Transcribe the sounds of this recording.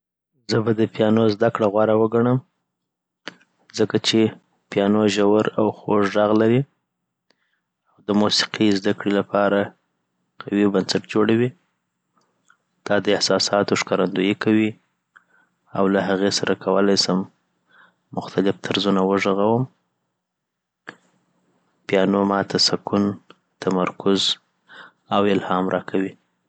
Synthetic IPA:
zəbad̪əpjɑnozd̪akɽaɣwɑɾawəɡaɳəm | zəkat͡ʃe | pjɑnoʒawəɾawxoʐɑɣlaɾi | awd̪əmusi̥qizd̪akɽilapʰɑɾa | qʰawibansaʈd͡ʒoɽawi | d̪̥ɑd̪əɪhsɑsɑt̪oʂkaɾand̪ujikʰawi | awlaɦaɣesaɾʔakʰawəlajsəmː | ʊxt̪alɪft̪ʰəɾzunawəʐəɣawəm | pjɑnomɑt̪ʰasakun | t̪amaɾkʊz | awɪlhɑmɾʔɑkʰawi

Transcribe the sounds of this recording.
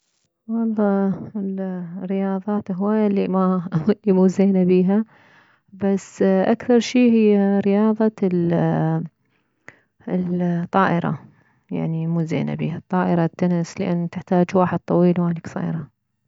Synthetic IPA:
wɑlˤːɑːɪlrːɪjɑːðˤɑːt̪ɦwaːjalːimamuːzeːnabiːɦa | basʔakθɑɾˤʃiːhɪjːaɾɪjɑːðˤɑl | lt̪ˤːɑːʔɪɾɑ̰ | ja̰ʕnimuːzḛːna̰bḭːhat̪ˤːɑːʔɪɾˤɑt̪ːʊnɪslɪʔanːt̪ɪħt̪aːd͡ʒwaːħɪd̪̚t̪ˤɑwiːlwanɪksˤḭːɾˤɑ

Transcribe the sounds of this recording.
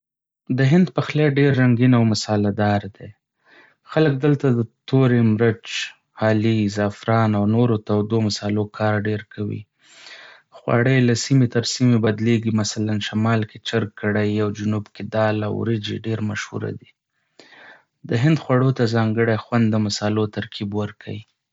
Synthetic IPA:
d̪əɦɪnd̪pəxleɖeɾːaŋɡinawmʊsɑlad̪ɑɾd̪e | xalək̚d̪əlt̪ad̪ət̪oɾemɾət͡ʃ | hɑlizafɾɑnawnoɾot̪awd̪omasɑlokʰɑɾɖeɾkʰawḭ | xwɑ̰ɽəjlasimet̪əɾsimebad̪leɡimasalanʃamɑlket͡ʃaɾkːəɽajawd͡ʒʊnubkɪd̪ɑla̰wɾəd͡ʒḛɖeɾmaʃhṵɾa̰d̪i | d̪əɦɪnd̪xwaɽot̪azɑŋɡəɽexwand̪ːəmasɑlot̪aɾkʰibwəɾkʰa̰wi

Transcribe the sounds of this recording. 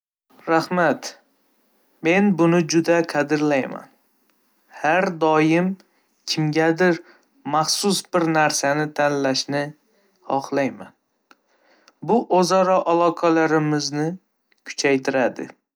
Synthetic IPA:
ɾahmat̪ | me̞nbʊnɪd͡ʒʊd̪aqʰɑd̪ɪɾlajma̰n | haɾd̪ɒjɪm | kʲʰɪmɡʲad̪ɪɾ | maχsʊsbɪɾnaɾsanɪt̪ʰanlaʃnɪ | hɒχlajman | bʊʔozaɾɒʔalˠɒqʰalaɾɪmɪznɪ | kʰʊ̥t͡ʃʰajt̪ʰɪɾad̪ɪ̰

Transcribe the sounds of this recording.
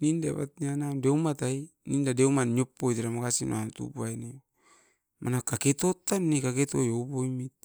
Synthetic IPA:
ninda̰βa̰t̪̚ɲianamdeumat̪ainindadeumanɲopːoit̪eɾamakasino̰ant̪ṵbuaine | mʔanakaket̪ot̪anːikaket̪ojoboimit̪̚

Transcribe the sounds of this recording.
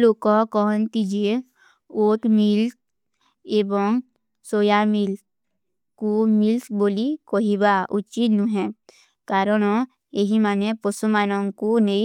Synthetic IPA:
lokɔkɔːnt̪id͡ʒie | oːt̪milt | ebɔŋ | soːjamil | kumilt̪boːlikoɦibaʔut͡ʃinũɦɛ̃ | kaːɾɔnɔ | eɦimaːnẽpɔsumaːnɔŋkunei

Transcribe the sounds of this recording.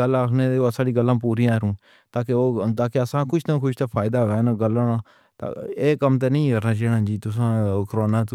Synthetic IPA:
əlaːkʰneːd̪eːosaːɽiːɡəlːãːpuːɾiːãːɾũː | t̪aːkeoːt̪aːkeəsãːkʊʃt̪ãːkʰʊʃt̪ãːpʰaːjɪd̪aːoɛːnaːɡəlːaːnãː | t̪a̰eːkəmt̪̬enəĩːkəɾnaːd͡ʒeːɽãːd͡ʒiːt̪ʊs̬ãːkəɾoːnaːt̪

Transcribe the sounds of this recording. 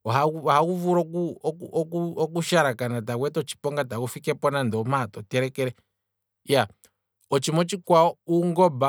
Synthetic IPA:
ɔɦauahakuvuɾɔkuɔkuɔkuɔk̬uʃaɾakanat̬aɣwɛtɔt͡ʃi̥pɔŋɡatakufikɛpɔnandɔmatɔtɛɾɛkɛɾɛ | ja | ɔt͡ʃimɔt͡ʃikwaɔuŋɡɔba

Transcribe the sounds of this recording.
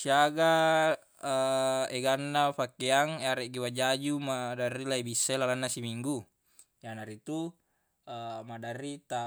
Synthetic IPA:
siaɡa | eɡanːapakeaŋeaɾeʔɡiwad͡ʒad͡ʒumadarːilaibisːaelalanːasimiŋɡu | d͡ʒanaɾit̪u | madarːit̪a

